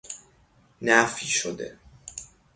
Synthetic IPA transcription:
næfiʃod̪ḛ

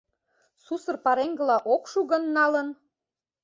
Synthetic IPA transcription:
susə̆rpɑɾeŋɡə̆lɑʔokʃuɣə̆nːɑlə̆n

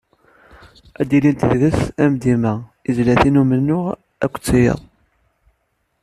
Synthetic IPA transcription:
æd̪ilint̪ððəsæmd̪imæizlæθinumənːʊʁ | æ̰kʷːt͡sːijə̰ðˤ

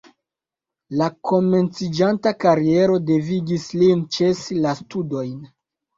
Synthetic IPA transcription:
lakʰo̞me̞nt͡sid͡ʒantakaɾie̞ɾo̞de̞viɡislint͡ʃesilastudo̞jn

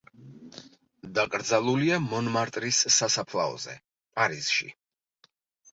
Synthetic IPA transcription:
d̪akʼɾd̪zalˠuliamɔnmaɾt̪ʼɾisːasapʰlˠaɔ̰zɛ̰ | pʼaɾisʃḭ

